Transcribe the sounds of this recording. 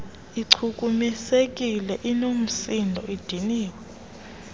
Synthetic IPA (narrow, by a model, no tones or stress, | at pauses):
iǀʰuk̬ʼumisek̬ʼilɛʔinom̩sindʱɔid̥ʱiniːk̬ɔ